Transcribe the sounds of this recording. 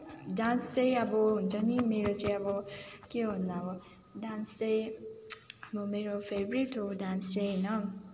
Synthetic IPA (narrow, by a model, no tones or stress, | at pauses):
dãnseabon̩d͡ʒɔ̃nĩmeɾot͡ʃeabokionãwɔ | dãnse | abomeɾofebɾitodãnsʃenã